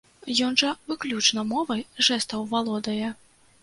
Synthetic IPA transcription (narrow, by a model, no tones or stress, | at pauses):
jɔnʐɐvɨklʲut͡ʂnɐmɔvɐjʐɛst̪ɐwvalˠɔd̪ɐjɛ